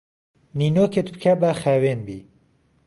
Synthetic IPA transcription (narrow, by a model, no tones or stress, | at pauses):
ninoket̪bɨkʰabaxaːwenbḭː